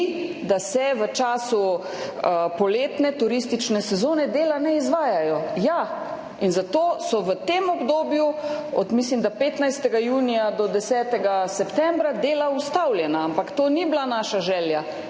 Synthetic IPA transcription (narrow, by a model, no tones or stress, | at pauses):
d̪asɛʋət͡ʃaːsu | əpɔleːt̪nɛt̪uɾist̪it͡ʃnɛsɛzoːnɛd̪eːlanɛizʋaːjajɔja | inzat̪oːsɔʋət̪emɔbd̪oːbjuɔ̰t̪mislimd̪apeːt̪najst̪ɛɡajuːnijad̪ɔd̪ɛsɛːt̪ɛɡasɛpt̪ɛmbɾad̪eːlaust̪awlʲjɛnaampakt̪oːniblanaːʃaʒɛːlja